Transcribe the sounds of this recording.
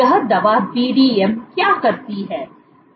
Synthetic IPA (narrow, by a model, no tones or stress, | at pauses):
ɐɦd̪ɐʋabiːɖiːɛmkjaːkɐɾt̪iɦɛː